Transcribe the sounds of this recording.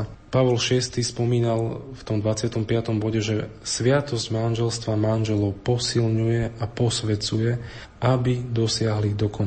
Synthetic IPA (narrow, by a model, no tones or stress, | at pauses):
paʋɔlʃɪɛst̪iːspɔmiːnalft̪ɔmd̪ʋat͡sɪat̪ɔmpɪat̪ɔmbɔɟɛʒɛsʋɪat̪ɔzɟmanʒɛlst̪ʋamanʒɛlɔʊpɔsilɲujɛapɔsʋɛt͡sujɛ | ʔabid̪ɔsɪaɦlid̪ɔkɔn